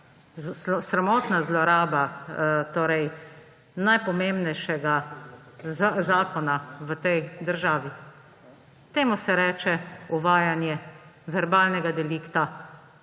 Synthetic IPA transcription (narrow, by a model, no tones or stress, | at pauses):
sɾamɔːt̪nazlɔɾaːbat̪oːɾɛj | najpɔmembnɛjʃɛɡa | zazaːkɔnaʋət̪ɛjd̪əɾʒaːʋi | t̪eːmusɛɾɛːt͡ʃɛuʋaːjanjɛʋɛɾbaːlnɛɡad̪ɛliːkt̪a